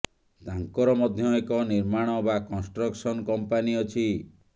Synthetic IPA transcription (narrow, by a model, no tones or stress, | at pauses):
t̪aŋkɔɾɔmɔd̪ʱjɔekɔniɾmaɽ̃ɔbakɔnsʈɾɔksɔnkɔmpaniɔt͡ʃʰi